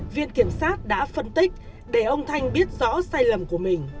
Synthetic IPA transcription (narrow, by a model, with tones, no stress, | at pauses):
vḭ˧˨ənki˧˩əmsaː˦˥t̚ɗa̰ː˧˥fə˧nt̪i˦˥k̟̚ | ɗe˧˩ʔə˧wŋ͡mt̪ʰa˧jŋ̟ɓi˦˥ət̚zɔ̰˧˥saː˧jlə˨˩mku˧˩əmï˨˩ŋ̟